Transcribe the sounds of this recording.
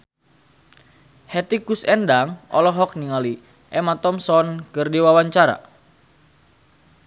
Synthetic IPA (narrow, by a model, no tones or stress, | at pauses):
hɛt̪ikusɛndaŋɔ̰lɔɦɔk̚niŋali | ʔɛmat̪ɔmsɔnkɨrdiwawaɲt͡ʃaɾa̰